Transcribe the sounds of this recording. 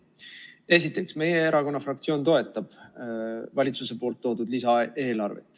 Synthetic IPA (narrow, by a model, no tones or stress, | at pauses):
e̞s̬it̪ːˑe̞ksme̞jeeɾɑko̞nːɑfrɑk̚t̪sio̞ːnt̪o̞e̞t̪ːˑɑb̥ | vɑlʲit̪suse̞po̞ːlt̪ːo̞ːd̪ud̪̥lisɑe̞ːlɑrvḛt̪ːˑ